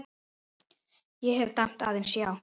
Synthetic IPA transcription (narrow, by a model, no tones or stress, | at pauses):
jɛɦɛvt̪am̥t̪a̰ðɛmsjaw